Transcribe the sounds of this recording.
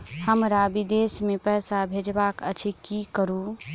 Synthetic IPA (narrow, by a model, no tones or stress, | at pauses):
həmɾabid̪esmepəɦsabʱed͡ʒbakət͡ʃʰikikəɾu